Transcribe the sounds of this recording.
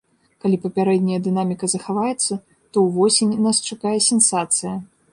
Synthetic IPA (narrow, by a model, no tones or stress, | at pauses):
kalʲipɐpʲaɾɛd̪ʲnʲɐjɐd̪ɨnamʲikɐzɐxavajɛt̪sːɐ | t̪ɔwvɔsʲenʲnast͡ʂakajɛsʲɛnsat̪sɨjɐ